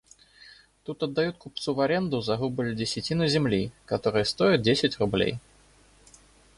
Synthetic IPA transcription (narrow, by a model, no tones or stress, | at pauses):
t̪ut̪ɐd̪ːɐjut̪̚kupt̪suvɐɾʲe̞nd̪ʊzɐɣubɨlʲdʲɪsʲɪtʲinɨzʲɪmlʲikɐt̪o̞ɾɨjəst̪o̞ɪt̪̚dʲesʲɪtʲrʊblʲḛj